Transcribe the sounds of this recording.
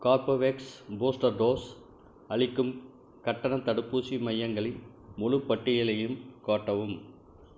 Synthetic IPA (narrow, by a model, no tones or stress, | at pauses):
kaːɾpɐʋeksboːsʈɐɾɖoːs | ɐɭɪkːɯm | kɐʈːɐnɐt̪ːɐɽɯpːuːsimɐjːɐŋɡɐɭɪ | mʊɻɯpːɐʈːɪjɐlɐjɯmkaːʈːɐʋɯm